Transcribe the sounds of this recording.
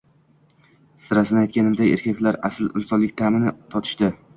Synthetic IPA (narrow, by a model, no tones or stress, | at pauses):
sɪɾasɪnɪajt̪̚kʲʰanɪmd̪aḛɾkʲʰakʲlaɾa̰sɪlɪ̰nsɒnlɪk̚ʲt̪ʰamɪnɪt̪ʰɒt̪ʰɪ̥ʃd̪ɪ